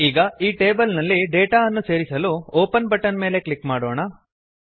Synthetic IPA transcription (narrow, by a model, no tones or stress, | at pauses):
iːɡɐiːʈe̞ːbɐlnɐlːiɖeːʈaːɐnːuse̞ːɾisɐluoːpɐnbɐʈːɐnme̞ːle̞klikːmaːɽoːɳɐ